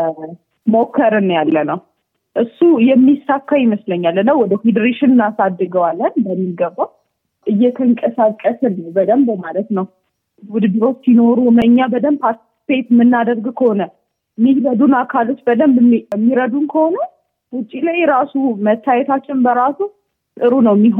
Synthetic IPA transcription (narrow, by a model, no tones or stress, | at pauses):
mokʰːəɾɨnjalːənəw | ʔɨsːujɛmːisːakːajɪməsləɲːalːənːəwwɔd̪əfed̪əɾeʃɪnɨnasad̪ːɨɡəwalːənbəmːiɡəbːaw | ʔɨjːɛk̪ʰəɨŋkʼəsakʼːəsɨnːəwbəd̪əmbmalət̪nəw | wʊd̪bɨɾo̞t͡ʃːsino̞ɾuməɲːabəd̪əmpʰa | tet̪mɨnːad̪əɾɡkʰəhonə | miɾəd̪unakʰalot͡ʃ̪bəd̪əmbmːiɾəd̪unkʰəhonə | wʊt͡ʃʼːilajɾasumət̪ʰːajɛt̪ʰat͡ʃːɪnbəɾasu | sʼɨɾunəwmːiɦ